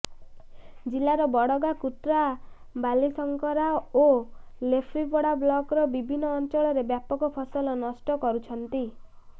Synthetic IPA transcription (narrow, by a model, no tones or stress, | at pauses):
d͡ʒilaɾɔbɔɽɔɡakut̪ɾa | balisɔŋkɔɾao | lepʰɾibɔɽablɔkɾɔbibʱinːɔːnt͡ʃɔɭɔɾebjapɔkɔpʰɔsɔlɔnɔsʈɔkɔɾut͡ʃʰɔnt̪i